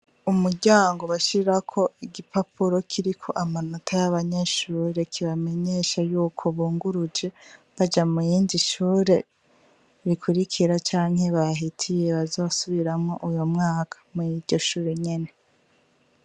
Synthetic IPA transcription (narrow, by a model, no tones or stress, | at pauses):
umuɾɟaːŋɡo̞βaʃiɾakʰo̞iɡipapuɾo̞kʰiɾikʰo̞̰ʔamanotʰajaβaɲeʃuːɾe̞kʰiβame̞ɲe̞ʃajuːkʰo̞βuːŋɡuɾud͡ʒe̞βad͡ʒamujiːndiʃuːɾe̞ | βikʰuɾikʰiɾat͡ʃaːŋhe̞βaɦitʰije̞βazo̞ːsuβiɾamŋo̞ʔujomŋaːkʰḁmuiɾɟ̥o̞ʃuːɾe̞ɲe̞ne̞